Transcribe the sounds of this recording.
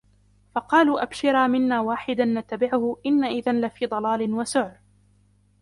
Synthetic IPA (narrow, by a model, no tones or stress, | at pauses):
fɑqɑːluːʔabʃɪɾaːmɪnːaːwaːħɪd̪anːat̪ːabɪʕʊhʊʔɪnːaʔɪðanlafiːd̪ˤɑlɑːlɪnwasʊʕɾ